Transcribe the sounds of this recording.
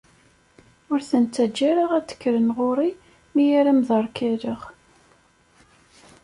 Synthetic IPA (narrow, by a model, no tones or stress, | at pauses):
ʊɾθənt͡sːæd͡ʒːæɾəʁæt͡sːə̥kːɾənʁʊɾˤi | mijiɾæmðɑɾˤkæɾəʁ